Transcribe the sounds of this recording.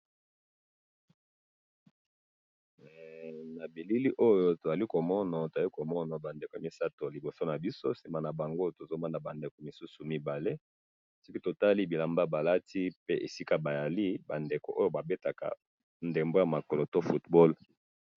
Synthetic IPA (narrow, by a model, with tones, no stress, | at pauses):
na˨bi˨li˦li˦ʔo˦jo˦to˨za˨li˦ko˨mɔ˦na˨to˨za˨li˦ko˨mɔ˦na˨ba˨nde˨ko˨a˨mi˦sa˦to˨li˨bo˨so˦na˨bi˦so̰˦si˨ma˨na˨ba˨ŋɡo˦to˨zo˦ma˦na˨ba˨nde˨ko˨mi˨su˦su˨mi˦ba˨le˦ | so˦ki˦to˨ta˦li˦bi˨la˨mba˦ba˨la˦ti˦pe˦ʔe˨si˦ka˦ba˨ja˨li˦ba˨nde˨ko̰˨ʔo˦jo˦ba˨be˦ta˨ka̰˨ | nde˨mbo˦ja˨ma˨kɔ˨lo˨to˦fu˦tbɔ˦l